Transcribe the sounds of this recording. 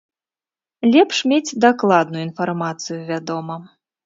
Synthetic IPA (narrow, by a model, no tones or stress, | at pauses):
lʲɛpʂmʲed͡zʲd̪aklˠad̪nujuinfarmat̪sɨjuvʲad̪ɔmɐ